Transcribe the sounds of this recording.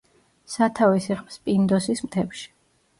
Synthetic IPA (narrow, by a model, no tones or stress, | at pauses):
sat̪ʰavisɛχʼmspʼind̪ɔsismt̪ʰɛpʃi̥